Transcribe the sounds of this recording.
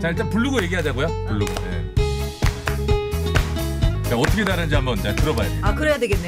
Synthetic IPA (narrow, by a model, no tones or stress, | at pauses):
t͡ɕaɭt͡ɕ͈anpuɭːuɡoje̞ɡiɦjadwe̞ɡojapuɭːuɡo̰nḛ | t͡ɕ͈aʌtʰʌkʰedaɾannd͡ʑiambʌntakɯɾʌbajo̰akɯɾejadwe̞ɡenːe